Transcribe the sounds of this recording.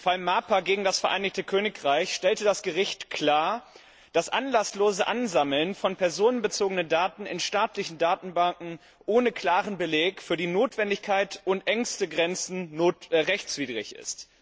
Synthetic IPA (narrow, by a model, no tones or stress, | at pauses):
falmaːpɐɡeːɡŋ̩dasfɛɐʔa̰ɪnɪçktəkʰøːnɪkʁaɪçʃtɛltədasɡ̥əʁɪçtkʰl̥aːɐ | d̥asʔa̰nlasloːzəʔanzaml̩nfɔnpʰɛɐzoːnənbət͡soːɡənəndaːtn̩ɪnʃtaːtlɪçn̩daːtn̩baŋkŋ̩ | ʔoːnəkʰl̥aːʁənbəleːkfyːɐdiːnoːtv̥ɛndɪçkʰaɪtʊntʔɛŋstəɡʁɛnt͡sn̩noːtʁɛçt͡sv̥iːdʁɪ̰çʔɪ̰st